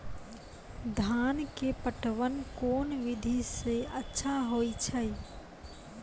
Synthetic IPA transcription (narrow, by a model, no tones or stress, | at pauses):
d̪ʱaːnkepəʈʋənkoːnʋɪd̪ʱiseətːʃʰaɦoit͡ʃʰəj